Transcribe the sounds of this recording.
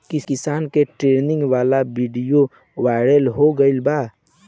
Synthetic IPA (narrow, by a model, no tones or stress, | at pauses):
kikɪsaːnkeʈɾenɪ̃ŋɡʋalabiɖijo | ʋaɪɾəlɦoɡəɪlba